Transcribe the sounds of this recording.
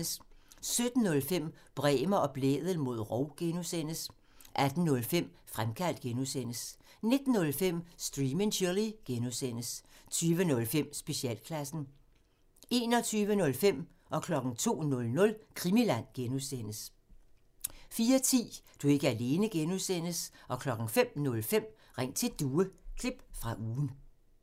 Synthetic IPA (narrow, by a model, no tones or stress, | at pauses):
əssød̥n̩ːɔ̽lfem̰ | b̥ʁɛːmɐʔɒ̽b̥lḛːðˠəl̩ˠmo̝ð̞̰ˠʁɒʊ̰ɡ̥enusen̰əs | ʔæd̥n̩ːɔ̽lfem̰ | fʁamkʰæl̰d̥̚ɡ̥enusen̰əs | ne̝d̥n̩ːɔ̽lfem̰sd̥ʁiːmenʰyliɡ̥enusen̰əst͡sʰyːʋənɔ̽lfem̰sb̥e̝ɕiɛ̰ːlkʰlæsn̩ | e̝̰ːnɒ̽t͡sʰyːʋənɔ̽lfem̰ | ʔɒ̽kʰlɒ̽ɡ̥ŋ̩t͡sʰo̝̰ːnɔ̽lnɔ̽lkʰʁimilæn̰ɡ̥enusen̰əs | fiːɐt͡sʰḭːd̥ue̝ɡ̥əæle̝ːnəɡ̥enusen̰əsʔɒ̽kʰlɒ̽ɡ̥ŋ̩fem̰nɔ̽lfem̰ | ʁaŋ̰̚t͡sʰe̝d̥uːəkʰle̝b̥fʁɑ̈ʔuːn̩